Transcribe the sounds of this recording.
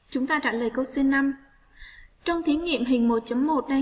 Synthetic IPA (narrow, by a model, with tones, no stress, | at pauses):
t͡ɕʊ˨˦ŋ͡mt̪aː˧t͡ɕaː˧˩ləː˨˩jkə˧wsi˧nːa˧m | t͡ɕɔ˧wŋ͡mt̪ʰi˨˦ŋḭ˧˨əmɦï˨˩ŋ̟mo˨˩t̚t͡ɕə˨˦mːo˨˩t̚ɗa˧